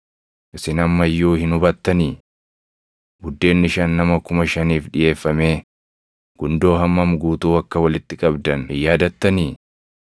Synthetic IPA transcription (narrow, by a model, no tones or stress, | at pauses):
ʔɪsɪnɐmːɐjːuːhɪnʊbɐt̪ːɐniː | ɡʊd̪ːe̞ːnːɪʃɐnːɐmɐkʊmɐʃɐniːfᶑɪje̞ːfːɐmeː | ɡ̥ʊnd̪o̞ːɦɐmːɐmɡuːt̪uːɐkːɐwɐlɪt̪ːɪkʼɐbd̪ɐnjaːd̪ɐt̪ːɐniː